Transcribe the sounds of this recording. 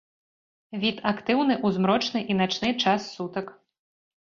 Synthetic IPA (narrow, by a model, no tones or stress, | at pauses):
vʲit̪akt̪ɨwnɨʔuzmɾɔt͡ʂnɨʔinat͡ʂnɨt͡ʂasːut̪ɐk